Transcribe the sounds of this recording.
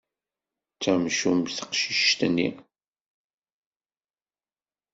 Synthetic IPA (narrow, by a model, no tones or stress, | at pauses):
t͡sːæmʃumθə̥qʃiʃt̪ənːḭ